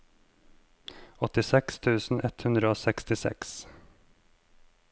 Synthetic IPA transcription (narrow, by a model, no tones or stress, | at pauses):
ɔt̪ɪsɛkst̪ʰʉːsn̩ʔɛt̪hʉnd̪ɾəoːsɛkst̪ɪsɛ̰ks